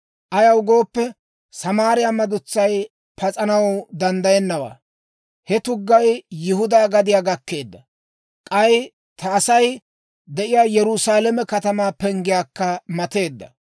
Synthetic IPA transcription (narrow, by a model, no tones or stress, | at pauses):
ʔɐjɐwʊɡo̞ːpːɛ | sɐmaːɾɪjaːmɐd̪ʊt͡sːɐj | pɐt͡sʼɐnɐwd̪ɐnd̪ɐjɛnːɐwa̰ː | hɛt̪ʊɡːɐjjɪhʊd̪aːɡɐd̪ɪjaːɡɐkːe̞ːd̪ːɐ | kʼɐj | t̪ʰɐːsɐj | d̪ɛʔɪjaːjɛɾʊsaːlɛmɛkɐt̪ɐmaːpɛŋɡɪjaːkːɐmɐt̪e̞ːd̪ːɐ̰